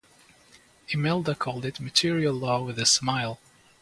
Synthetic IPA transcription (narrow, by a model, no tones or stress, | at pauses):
ɨmɛlˠdəkʰɔlˠdɨtmɨtʰɪɹiəlˠlɔwɪðɨsmaɪlˠ